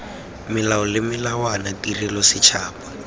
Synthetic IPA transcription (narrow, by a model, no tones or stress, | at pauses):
mɪlaɔlɪmɪlawanatirilɔsit͡ʃʰaːpa